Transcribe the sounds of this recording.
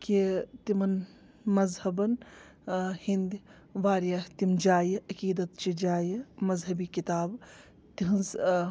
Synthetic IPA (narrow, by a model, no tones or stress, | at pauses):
kit̪imɐn | mɐzhɐbɐn | hind̪i | ʋaːɾjat̪imd͡ʒaːjʔɐkiːd̪ɐt̪̚t͡ʃid͡ʒaːjmɐzɦɐbikit̪aːb | t̪iɦɐnz